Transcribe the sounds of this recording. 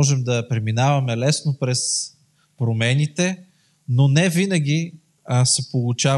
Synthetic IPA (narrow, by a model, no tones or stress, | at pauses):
ɔʒɛmd̪ɐpɾɛminavɐmɛlɛsnopɾɛs | pɾomɛnʲit̪ɛ | nonɛvinɐɡʲi | sɛpolˠʊt͡ʃa